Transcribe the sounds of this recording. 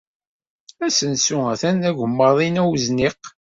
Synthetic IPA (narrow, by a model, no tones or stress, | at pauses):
æsənsuæθænæʝəmːəðˤinæwzniq